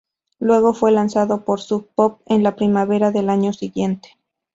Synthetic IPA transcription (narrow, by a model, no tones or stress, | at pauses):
lwe̞ɣo̞fwe̞lansaðo̞po̞ɾsuk̚pop̚enlapɾimaβe̞ɾaðe̞laɲosiɣje̞nt̪e̥